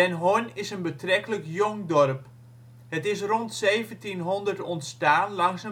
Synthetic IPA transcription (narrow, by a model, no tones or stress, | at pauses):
ɛnɦonɪsənbətrɛkələkjʊŋdɔrp | hətɪs̬rontseːvəntinɦɔndərtɔntstaːnlɑŋsə